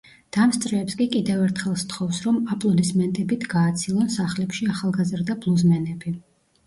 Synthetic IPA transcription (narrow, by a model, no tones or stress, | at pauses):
d̪̥amst̪sʼɾɛːpskʼikʼid̪ɛvɛɾt̪ʰχɛlˠst̪ʰχɔfsɾɔmapʼlˠɔd̪ismɛnt̪ʼɛbit̪ʰɡaːt̪sʰilˠɔnsaχlɛpʃiaχalˠɡazɾd̪ablˠuzmɛnɛbi